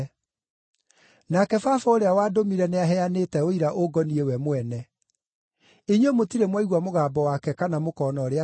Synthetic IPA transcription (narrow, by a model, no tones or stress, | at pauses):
nakɛfafɔoɾeawaːdomiɾɛneaɦɛanetɛoiɾaʔoɡɔniewɛmwɛnɛ | eɲomotiɾemwaiɣwamoɣaːbɔwakɛkanamokɔːnɔɾea